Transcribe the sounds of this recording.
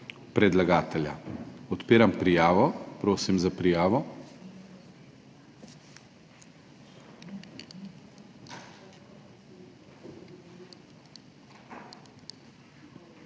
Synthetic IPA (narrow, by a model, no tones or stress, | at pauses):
pɾɛd̪laɡaːt̪ɛlja̰ɔt̪peːɾampɾijaːʋɔpɾoːsimzapɾijaːʋɔ